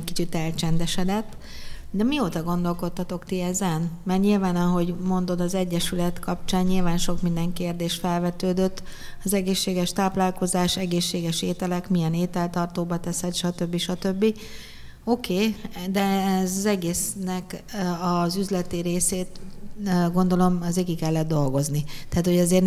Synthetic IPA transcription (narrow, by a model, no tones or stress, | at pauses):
kit͡ʃit̪ɛlt͡ʃɛnd̪ɛʃɛd̪ɛt̪ː | d̪ɛmioːt̪ɒɡo̞nd̪o̞lko̞t̪ːɒt̪o̞kt̪iɛzɛnmɛrt̪ɲilvaːnɒɦo̞ɟmo̞nd̪o̞d̪ɒzɛɟːɛʃylɛt̪kʰɒp̚t͡ʃaːɲɲilvaːnʃo̞kmind̪ɛŋkeːrd̪eːʃfɛlvɛt̪øːd̪øt̪ːɒzɛɡeːʃːeːɡɛʃt̪aːplaːlko̞zaːʃɛɡeːʃːeːɡɛʃeːt̪ɛlɛkmijɛneːt̪ɛlt̪ɒrt̪oːbɒt̪ɛsɛt̪ʃɒt̪ø̞bːiʃɒt̪ø̞bːi | o̞kʰeːd̪ɛɛzɒzɛɡeːsnɛkɒzyzlɛt̪iɾeːseːt̪ | ɡo̞nd̪o̞lo̞mɛzeːkikɛlːɛtd̪̚d̪o̞lɡo̞znit̪ɛaːt̪hoɛzeːrn